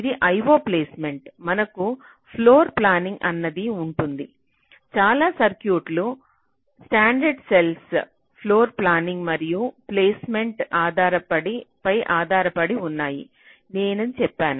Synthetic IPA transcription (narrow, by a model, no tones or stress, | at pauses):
id̪iʔɐjʋoːpleːsme̞ɳʈmɐnɐku | pʰloːɾplaːniŋɡʔɐ̰nːɐd̪iuɳʈund̪i | t͡ʃaːlaːsɐɾkjuːʈlu | sʈaːɳɖɐɾɖsels | pʰlo̞ːɾplaːniŋɡmɐɾijupleːsme̞ɳʈaːd̪ʱaːɾɐpɐɽipɐjʔaːd̪ʱaːɾɐpɐɽiunːaːjḭ | neːnɐnt͡ʃɛpːaːnu